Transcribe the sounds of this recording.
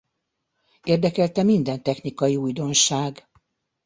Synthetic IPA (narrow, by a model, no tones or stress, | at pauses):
eːrd̪ɛkɛlt̪ɛmind̪ɛnt̪ɛxnikɒjiujd̪o̞nʃaːɡ